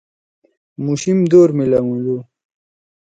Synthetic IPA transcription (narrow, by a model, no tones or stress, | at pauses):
muɕimd̪oːɾmilɐwũlu